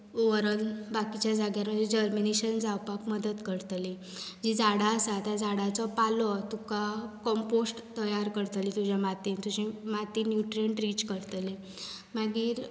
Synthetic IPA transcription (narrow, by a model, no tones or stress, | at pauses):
ʋəɾənbakit͡ɕjad͡zaɡjaɾməd͡zed͡ʑəɾminiɕənd͡zawpakməd̪ət̪kəɾt̪li | d͡ʑid͡zaɽaəsat̪ad͡zaɽat͡sɔpalɔt̪ukakɔmposʈt̪əjaɾkəɾt̪lit̪ud͡ʑjamat̪int̪uɕĩmat̪injuʈɾijəɳʈɾiːt͡ɕkəɾt̪le | maɡiːɾ